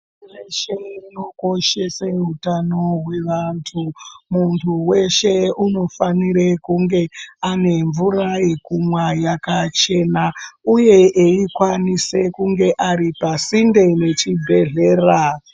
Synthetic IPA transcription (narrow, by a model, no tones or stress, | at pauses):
weʃeino̞ko̞ʃeseɦutano̞ɦwe̞ʋantʰumuntʰuwe̞ʃe̞uno̞faniɾekuŋɡe̞ane̞ɱvurajekumwajakat͡ʃe̞nauje̞ʔeikwanise̞kuŋɡe̞ʔaripasinde̞ne̞t͡ʃibʱe̞ɮe̞ːra